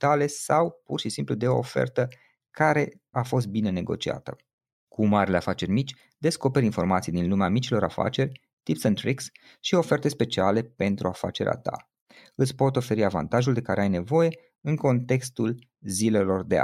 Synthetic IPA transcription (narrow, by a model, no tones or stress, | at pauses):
t̪ale̞sawpurʃisimplud̪e̞o̞ːfḛrt̪ə | kaɾe̞ | afo̞s̬t̪̚bine̞ne̞ɡo̞̰t͡ʃia̰t̪ə̰ | kʰumaɾileafat͡ʃe̞rʲmit͡ʃʲ | d̪e̞sko̞pe̞ɾʲinfo̞rmat̪sijd̪inlumeamit͡ʃilo̞ɾa̰fa̰t͡ʃe̞rʲ | t̪ipsənt̪ɾiks | ʃio̞fe̞rt̪e̞spe̞t͡ʃiale̞pe̞nt̪ɾuafa̰t͡ʃe̞ɾḛʔa̰t̪a̰ | ɨt̪sʲpo̞t̪o̞fe̞ɾiava̰nt̪aʒuld̪e̞kaɾeajne̞vo̞je̞ | ɨŋko̞nt̪e̞kst̪ul | zile̞lo̞rd̪ea̰